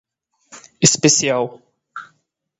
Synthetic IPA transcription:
ɪspesiaw

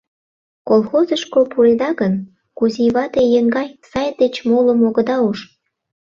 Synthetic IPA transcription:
kolˠxozəʃkopulʲd̪ɑɣən | kuzʲiβɑt̪ejəŋɡɑjsɑjd̪et͡ɕmoləmoɣə̆d̪ɑuʃ

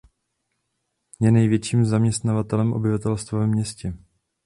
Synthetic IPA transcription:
jɛnɛjvjɛt͡ʃiːmzamɲɛst̪navat̪ɛlɛmʔobɪvat̪ɛlst̪vavɛmɲɛscɛ

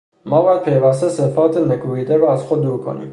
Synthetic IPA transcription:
mɒːbɒːjæd̪̚pʰe̞jvæst̪esefɒːt̪ʰenekʰubiːd̪eɾɔæzxod̪̚ːuːɾkʰo̰nḭːm

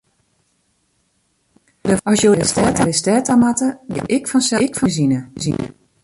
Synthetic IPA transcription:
dəɔsjoɪstɛːtalɪstɛːtamatəɡɪ̰ʔɪkfɔnsɛkfɔzinəzḭnə̰

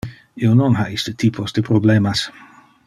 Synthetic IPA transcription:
iononɦaist̪ət̪ipʰozd̪epɾoblemas

